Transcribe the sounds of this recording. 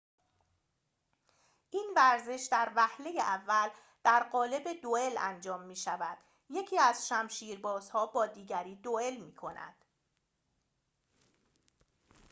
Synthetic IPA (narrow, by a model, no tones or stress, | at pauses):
ʔiːnvæɾze̞ʃd̪æɾvæhle̞jeʔævːæl | d̪̥æɾɢɒːle̞be̞d̪oe̞læ̰nd͡ʒɒːmːiːʃævæd̪̥ | je̞cʰiːæzʃæmʃiːɾbɒːz̥hɒːbɒːd̪iːɟæɾiːd̪oe̞lmiːkʰo̞næ̰d̪̥